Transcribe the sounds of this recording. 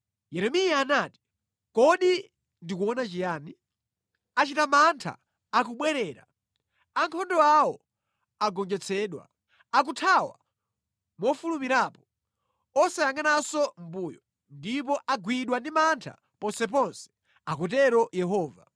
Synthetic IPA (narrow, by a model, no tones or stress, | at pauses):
jɛɾɛmijaːnaːti̥ | kɔɗi | ndikuɔnat͡ʃijaːni | at͡ʃitamantʰa̰ | ak̬uɓwɛɾɛːɾa̰ | aŋkʰɔndɔawɔ | aɡɔŋd͡ʒɛt͡sʰɛːɗwa̰ | ak̬utʰawa̰ | mɔfulumiɾaːpɔ̥ | ɔsajaŋanasɔm̩buːjɔ | ndip̬ɔʔaɡwiɗwandimantʰa̰ | pɔnsɛp̬ɔnsɛ̥ | akɔt̬ɛɾɔjɛɦɔːva̰